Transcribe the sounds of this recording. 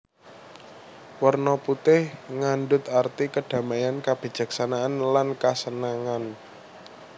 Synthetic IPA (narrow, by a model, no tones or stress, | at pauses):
wərnɔput̪ɪhŋanɖʊt̪art̪ikəɖ̥a̤majankab̥i̤̥d͡ʒ̥ä̤ksanaanlankasənaŋan